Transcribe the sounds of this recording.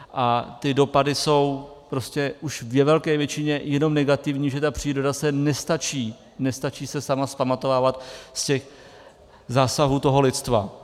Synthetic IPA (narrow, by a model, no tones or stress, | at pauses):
ʔat̪ɪdo̞padɪso̞wpɾo̞scɛʔuʃvjɛvɛlkɛːvjɛt͡ʃɪɲɛjɛno̞mnɛɡat̪ɪvɲiːʒɛt̪apr̥iːɾo̞dasɛnɛst̪at͡ʃiː | nɛst̪at͡ʃiːsɛsamaspamat̪o̞vaːvat̪scɛx | zaːsaɦuːt̪o̞ɦo̞lɪt̪st̪va̰